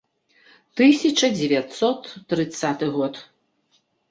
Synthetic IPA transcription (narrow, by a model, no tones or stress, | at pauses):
t̪ɨsʲɐt͡ʂɐd͡zʲɛvʲjat̪sɔt̪ːɾɨt̪sat̪ɨɣɔt̪